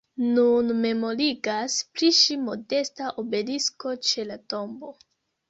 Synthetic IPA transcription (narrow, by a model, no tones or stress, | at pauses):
nunme̞mo̞ɾiɡaspliʃimo̞de̞staʔobe̞lisko̞t͡ʃe̞lato̞mbo̞